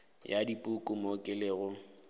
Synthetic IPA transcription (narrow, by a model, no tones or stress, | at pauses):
jadipʼukʼʊmokʼɪleɣʊ